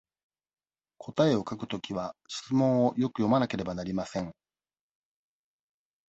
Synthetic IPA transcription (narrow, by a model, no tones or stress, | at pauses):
kʰo̞t̪ae̞o̞kakɯ̟̥t̪o̞kʲiβaɕi̥t͡sɨmõ̞ɰ̃o̞jo̞kɯ̟jo̞manake̞ɾe̞banaɾʲimasẽ̞ŋ